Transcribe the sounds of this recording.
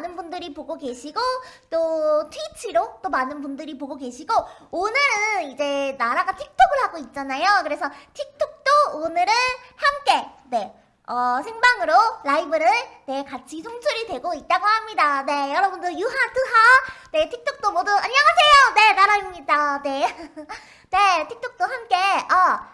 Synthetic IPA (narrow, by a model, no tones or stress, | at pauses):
nɯnbundɯɾipoɡoɡe̞ɕʰiɡot͈otʰwuit͡ɕʰiɾot͈omanɯnbundɯɾipoɡoɡe̞ɕʰiɡoonɯɾɯnid͡ʑe̞naɾaɡatʰik̚tʰoɡɯɭɦaɡoit̚t͡ɕ͈anajokɯɾe̞sʰʌtʰik̚tʰok̚t͈oonɯɾɯnhamk͈e̞ne̞ | ʌsʰeŋbaŋɯɾoɾaibɯɾɯnne̞kat͡ɕʰisʰoŋsʰuɾidwe̞ɡoit̚t͈aɡoɦamɲidane̞jʌɾʌbundɯjuɦatɯɦane̞tʰik̚tʰok̚t͈omʌdɯaɲjʌŋasʰe̞jone̞naɾaimɲidane̞ | ne̞tʰik̚tʰok̚t͈ohamk͈e̞ʌ